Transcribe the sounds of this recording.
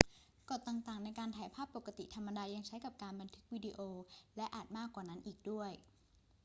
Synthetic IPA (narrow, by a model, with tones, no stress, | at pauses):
kɔ˨˩t̪ːaː˨˩ŋt̪aː˨˩ŋna˧jkaː˧nt̪ʰaː˩˦jpʰaː˥˩pːo˨˩kːa˧˥t̪i˨˩t̪ʰa˧mːa˧daː˧ja˧ŋt͡ɕʰa˦˥jka˨˩p̚kaː˧nba˧nt̪ʰɯ˦˥k̚wiː˧di˧ʔoː˧lɛ˦˥ʔaː˨˩t̪̚maː˥˩kːwaː˨˩na˦˥nʔiː˨˩k̚du˥˩əj